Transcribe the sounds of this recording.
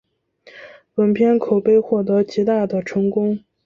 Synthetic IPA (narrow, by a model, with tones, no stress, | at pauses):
wə˧˥npʰjɛ˥nkʰo˨˩ʊpe˥˧ɪxwɔ˥˩t̪̬ɤ˧˥t͡ɕi˧˥t̪a˥˩d̪ə˩ʈ͡ʂʰɤ˧˥ŋkʊ˥ŋ